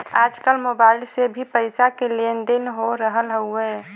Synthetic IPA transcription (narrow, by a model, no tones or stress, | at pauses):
aːd͡ʒkəlmoːbaːɪlsebʱipəɪsakelend̪ɪnɦoɾəɦəlɦəuɦɛː